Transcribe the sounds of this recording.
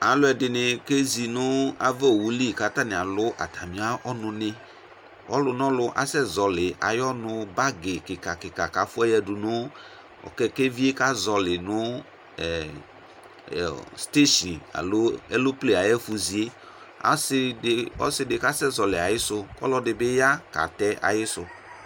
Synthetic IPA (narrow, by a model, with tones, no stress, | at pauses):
a˨lʊ˦ɛ˨dɪ˨nɪ˨ke˦zi˨nʊ˦a̰˨vɛ˦o˨wu˨li˦˨ka˦t̪a˦nɪ̃˨a˨lʊ˦ʔa̰˨t̪a˨mĩ˨˦a˦ʔɔ˦nʊ̃˨nɪ̃˦ | ɔ̰˦lʊ˨nɔ̃˦lʊ˦ʔa̰˨sɛ˦zɔ˨lɪ˨a̰˨jɔ˦nʊ̃˦ba˦ɡɪ˨kɪ˨ka˨kɪ˨ka˨ka˨fʊ˦ɛ˦jɛ˦dʊ˨nʊ˦ | ɔ̰˨kɛ˦ke˦vi˦e˦ka˦zɔ˨lɪ˨nʊ˦˨ | st̪e˦ʃi˨a̰˨lo˦ɛ˦lo˦ple˦a˨jɛ˦fu˨zi˨e˦ | a̰˨sɪ˦˨ɔ̰˦sɪ˦dɪ˨ka˦sɛ˦zɔ˨lɪ˨a˨jɪ˦sʊ˦kɔ̰˦lɔ˦dɪ˨bɪ˦ja˦ka̰˨t̪ɛ˦ʔa̰˨jɪ˦sʊ˨